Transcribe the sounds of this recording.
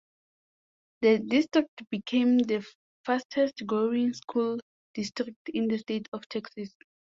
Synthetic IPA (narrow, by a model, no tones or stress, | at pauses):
ðədistɹik̚tb̥ikʰẽmðə | fastʰɛstɡɹoĩŋskʰul | d̥istɹik̚tʰĩndəstetʰɔftʰɛksas